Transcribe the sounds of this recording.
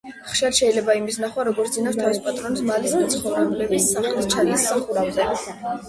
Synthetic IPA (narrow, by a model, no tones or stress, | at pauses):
χʃiaɾʃɛilɛbaimisnaχwaɾɔɡɔɾt̪ʰzinaft̪ʰavispʼat̪ʼɾɔnsmalismat̪sʰχɔvnɛbulɛbisːaχlist͡ʃʰaɾisaχuɾavzɛ